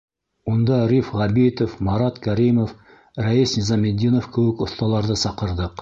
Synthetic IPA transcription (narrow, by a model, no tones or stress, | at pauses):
ond̪ɑɾʲifʁɑbit̪ofmɑɾɑt̪kʰæɾimof | ɾæisnʲizɑmʲed̪ːinofkʰɵwɘkoθt̪ɑlˠɑɾd̪ɤsɑqə̆ɾd̪ɤq